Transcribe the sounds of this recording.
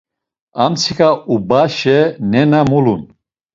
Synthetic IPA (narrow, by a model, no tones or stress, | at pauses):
amt͡sʰikʼaubaʃɛnɛnamulun